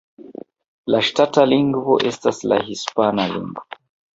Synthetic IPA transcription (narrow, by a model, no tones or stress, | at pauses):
laʃtataliŋɡvɔʔɛstasla̰ɦispanalḭŋɡɔ